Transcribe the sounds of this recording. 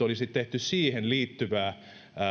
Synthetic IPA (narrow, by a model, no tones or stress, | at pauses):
olisit̪t̪eht̪yssiːhenliːt̪ːyʋæː